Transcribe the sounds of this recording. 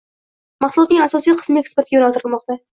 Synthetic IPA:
mɑχt̪ʊlˠɒt̪nɪŋasɒsijqʰə̥smekspeɾt̪ɡʲjonalˠt̪ʰɾɨlˠmɒqt̪a

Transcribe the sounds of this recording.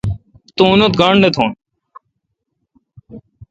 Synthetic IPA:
t̪ũːnot̪̚ɡɐɳɖet̪ʰõːn

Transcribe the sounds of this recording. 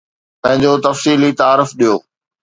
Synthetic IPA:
pɐ̃ɦɪ̃ɲd͡ʑot̪ɐfsiːlit̪aːɾɪfɗijoː

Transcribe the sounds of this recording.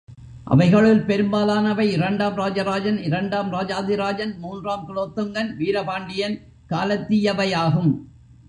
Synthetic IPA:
ʔɐ̰ʋɐɪɣɐɭɪlpɛɾɯmbaːlaːnɐʋɐɪɪɾɐɳɖaːmɾaːd͡ʒɐɾaːd͡ʒɐnɪɾɐɳɖaːmɾaːd͡ʒaːðɪɾaːd͡ʒɐnmuːndraːmkɪloːt̪ːɯŋɡɐnʋiːɾɐpaːɳɖɪjɐn | kaːlɐt̪ːɪjɐʋɐjaːɣɯm

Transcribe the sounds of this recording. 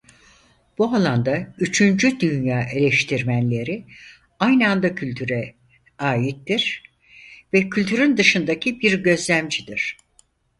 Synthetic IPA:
b̥ualˠand̪ayt͡ʃʰynd͡ʒyd̪ynjaːʔe̞lʲɛʃt̪ʰiɾmænlʲe̞ɾi | ajnand̪acʰylʲt̪ʰyɾɛ | aːjit̪ːiɾ̥ | vɛcʰylʲt̪ʰyɾynd̪ɯʃɯnd̪acʰibiɾɟø̞zlʲæmd͡ʒid̪iɾ̥

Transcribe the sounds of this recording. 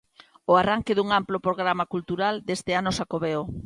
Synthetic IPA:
oaraŋkɪðuŋamplopɾoɣ̞ɾamakult̪uɾald̪est̪ɪanosakoβeo

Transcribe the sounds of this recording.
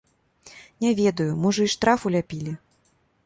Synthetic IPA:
nʲɛvʲɛd̪ɐjʊmɨʐɨiʂt̪ɾafulʲapʲilʲi

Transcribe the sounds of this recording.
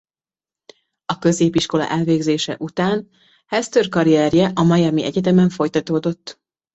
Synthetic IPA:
ɒkø̞zeːpiʃko̞lɒ̰ʔɛlveːɡzeːʃɛ̰ʔut̪aːn | hɛst̪ørkɒɾiɛrjɛʔɒmɒjɒmiʔɛɟɛt̪ɛmɛɱfo̞jt̪ɒt̪oːd̪o̞t̪ː

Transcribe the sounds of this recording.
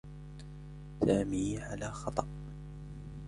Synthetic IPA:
saːmiːʕalaːxɑt̪ˤɑʔ

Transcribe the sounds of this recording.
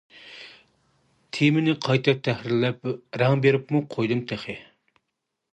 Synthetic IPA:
t̪ʰimɪnɪqʰɑjt̪ʰɨt̪ʰɛhɾɪlɛp̚ɾɑŋbeɾɪpmuqʰojd̪ɨmt̪ʰɛχɪ

